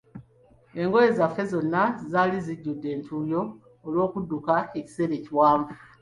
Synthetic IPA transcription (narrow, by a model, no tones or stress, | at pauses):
e̞ŋɡo̞je̞zafːe̞zo̞nːazaːliziɟːudːe̞ːntʰuːjo̞ː | lwo̞ːkudːukae̞ci̥se̞ɾe̞ːciwaːɱvu